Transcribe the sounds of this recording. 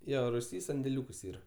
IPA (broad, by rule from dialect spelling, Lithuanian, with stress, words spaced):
ˈjoː rʊˈsʲiː sɐnʲdʲɛˈlʲuːkʊs ˈiːrɐ